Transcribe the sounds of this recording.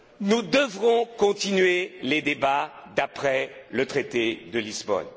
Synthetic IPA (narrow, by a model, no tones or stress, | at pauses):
nud̪əvʁɔ̃kɔ̃t̪inɥeled̪ebad̪apχɛlət̪χet̪ed̪əlizbɔ̰n